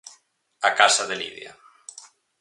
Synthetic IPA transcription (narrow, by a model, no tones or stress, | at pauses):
akasaðelḭðja̰